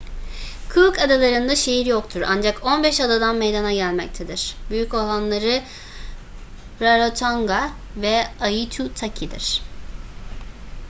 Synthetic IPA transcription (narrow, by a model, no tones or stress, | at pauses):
kʰɯkad̪alˠaɾɯnd̪aʃe̞jiɾjo̞kt̪ʰuɾa̰nd͡ʒakʰo̞nbɛʃad̪ad̪anmejd̪anaɟælʲmɛc̚t̪ʰe̞d̪iɾ̥byjycolˠanlˠaɾɯ | ɾaɾot̪ʰaŋɡa | vɛajɯt͡ʃʰut̪ʰacʰid̪ḭɾ̥